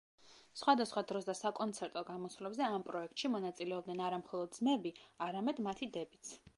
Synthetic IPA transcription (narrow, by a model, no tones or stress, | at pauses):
sχwad̪asχwad̪ɾɔs̬d̪asakʼɔnt̪sʰɛɾt̪ʼɔɡamɔsvlɛbzɛampʼɾɔɛk̚t̪ʼʃimɔnat̪sʼilɛɔb̚d̪nɛnaɾamχɔlˠɔd̪zmɛbiaɾamɛd̪mat̪ʰid̪ɛbit̪sʰ